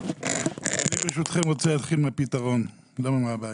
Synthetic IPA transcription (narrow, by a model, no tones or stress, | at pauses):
anibeʃut̪χemʁot͡sɛlat̪χilmeapit̪aʁon | lomamaabaː